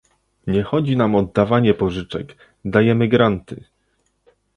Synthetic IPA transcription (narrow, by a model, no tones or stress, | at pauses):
ɲɛxɔd͡ʑinamɔd̪ːavaɲɛpɔʐɘt͡ʂɛk | d̪ajɛmɘɡɾant̪ɘ̰